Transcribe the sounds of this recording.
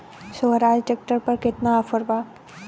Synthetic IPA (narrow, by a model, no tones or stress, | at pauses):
soɦɾaːlʈek̚ʈəɾpəɾkɪt̪naːfʰəɾba